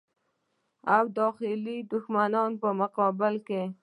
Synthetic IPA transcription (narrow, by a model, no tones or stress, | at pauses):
awd̪ɑxɪlid̪ʊxmanɑnpəmʊqɑbɪlke